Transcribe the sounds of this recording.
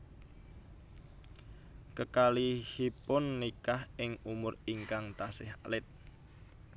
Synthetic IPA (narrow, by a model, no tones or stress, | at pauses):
kəkalihipʊnːikahɪŋumʊriŋkaŋt̪asɪɦa̰lɪt̪̚